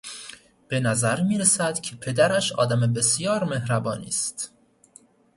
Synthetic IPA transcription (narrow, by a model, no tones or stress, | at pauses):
b̥e̞næzæɾmiːɾesæd̪̥cʲʰepʰe̞d̪æɾæʃɒ̰ːd̪æmebe̞sijɒːɾme̞hɾæbɒːnḭːst̪